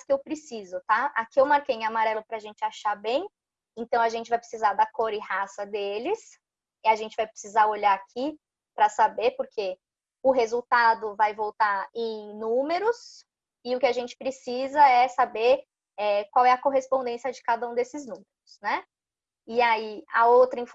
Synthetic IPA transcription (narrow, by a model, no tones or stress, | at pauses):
kɪewpɾɪsizʊt̪aakiewmaɾkejũamaɾɛlʊpɾɐaʒẽnt͡ʃɪaʃaɾbẽj̃ | ẽnt̪ɐ̃w̃aʒẽnt͡ʃɪvajpɾesizaɾd̪ɐkoɾɪhasɐd̪elɪs | ɪaʒẽnt͡ʃɪvajpɾɪ̥sizaɾoʎaɾakʰi | pɾɐsabeɾpʊɾkʰe | ʊɦezuwt̪ad̪ʊvajvowt̪aẽj̃nũmeɾʊs | ɪʊkɪaʒẽnt͡ʃɪ̥pɾɪsizɐɛsabeɾ | ɛkwawɛɐkoɦespõnd̪ẽsiɐd͡ʒɪkad̪ɐũd̪esɪznũmeɾʊsnɛ | ɪaiɐ̰owt̪ɾɐĩf